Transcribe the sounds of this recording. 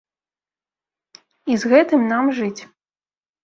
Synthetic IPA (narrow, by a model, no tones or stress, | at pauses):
izɣɛt̪ɨmnamʐɨt͡sʲ